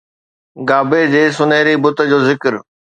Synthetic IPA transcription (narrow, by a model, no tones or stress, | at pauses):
ɡaːbed͡ʑeːsʊneːɾibʊt̪ə̆d͡ʑoːzɪkəɾ